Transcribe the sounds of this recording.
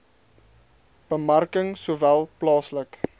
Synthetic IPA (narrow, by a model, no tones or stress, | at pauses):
b̥əmɐrkəŋsuːvælˠplɑːslək